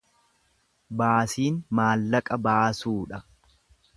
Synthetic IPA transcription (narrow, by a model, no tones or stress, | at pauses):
baːsiːnmaːlːɐkʼɐbaːsuːᶑɐ